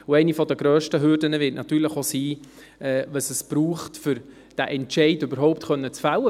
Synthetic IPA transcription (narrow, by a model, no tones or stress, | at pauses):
ʊɛɪnifɔd̪əɡɾœːʃtəɦʏɾdənəvɪtnɑt̪yːləχosiː | ɛːvəsəsb̥ɾuːχtfʏɾ | d̥æʔɛntʃɛɪdʏbəɾɦɔʊptχœnːət͡sfawə